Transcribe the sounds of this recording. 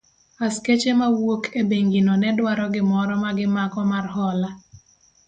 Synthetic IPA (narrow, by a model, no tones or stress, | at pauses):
asket͡ʃemawokʰebeŋɡinɔnɛdwaɾɔɡɪmɔɾɔmaɡɪmakɔmarhɔla